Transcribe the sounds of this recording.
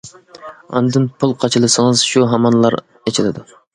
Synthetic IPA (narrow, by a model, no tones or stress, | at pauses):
ɑ̰nd̪ɨnpʰulˠqʰɑt͡ʃʰɨlˠɨsɨŋɨzʃuɦɑmɑnlˠɑɾ | et͡ʃʰilˠɨd̪u